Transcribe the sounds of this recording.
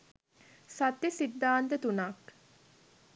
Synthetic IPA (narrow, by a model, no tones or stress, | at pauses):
sat̪jəsid̪ːaːnt̪ət̪unak